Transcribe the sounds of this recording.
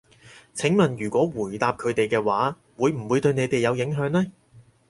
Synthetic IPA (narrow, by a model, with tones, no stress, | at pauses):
t͡sʰɪ˨˥ŋmɐ˨njyː˨˩kʷɔː˨˥wuː˨˩jt̪aː˨p̚kʰɵ˨˧ɥt̪e˨jkɛː˧waː˨˥ | wuː˨˧jm̩˨˩wuː˨˧jt̪ɵ˧ɥne˨˧jt̪e˨jɐ˨˧wjɪ˨˥ŋɦœː˨˥ŋlɛː˥